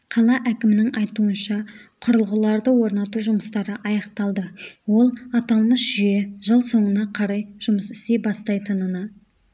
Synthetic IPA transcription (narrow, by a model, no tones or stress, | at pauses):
qʰɑlˠɑʔækʲɪmɪnɪŋʔɑjt̪uənʃɑqʰʊɾəlˠʁəlˠɑɾd̪əwo̞ɾnɑt̪uʒʊməst̪ɑɾəʔɑjɑqt̪ɑlˠd̪əwo̞lˠɑt̪ɑlˠməsʒ̥ʏjeʒəlˠso̞ɴənɑqʰɑɾɑjʒ̥ʊməsɪ̥st̪e̞bɑst̪ɑjt̪ənənə